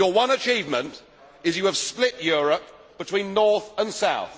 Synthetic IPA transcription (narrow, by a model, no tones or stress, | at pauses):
əwʌ̃nət͡ʃʰiːvmə̃nt | ɪzjəːv̥splɪʔjɔːɹəp̚ | b̥ɨtʰw̥ĩnːɔɹθə̃nsaʊθ